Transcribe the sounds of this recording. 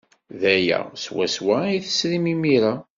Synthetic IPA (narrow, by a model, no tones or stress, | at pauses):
ðæjæ̰swæ̰swæjθə̥sɾimimiɾa